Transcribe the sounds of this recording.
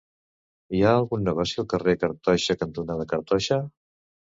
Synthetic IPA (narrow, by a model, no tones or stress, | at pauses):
iaːlˠɣunːəɣ̞ɔsiəlˠkərekəɾt̪ɔʃəkənt̪unaðəkəɾt̪ɔʃə